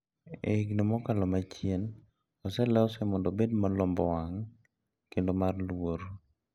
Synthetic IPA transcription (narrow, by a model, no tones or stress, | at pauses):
ḛiɡnɔmɔkalɔmat͡ʃjen | ɔsɛlɛɔsɛmɔndɔbedmalɔmbɔwaŋ | kendomarlwoɾ